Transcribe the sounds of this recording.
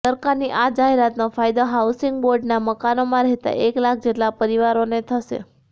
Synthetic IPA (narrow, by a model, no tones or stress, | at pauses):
səɾkaɾniʔad͡ʒaɦeɾat̪nofajd̪oɦausɪŋɡboɾɖnaməkanomãɾɛɦt̪a̰ʔeklak̚ʰd͡ʒeʈlapəɾiʋaɾonet̪ʰəʃḛ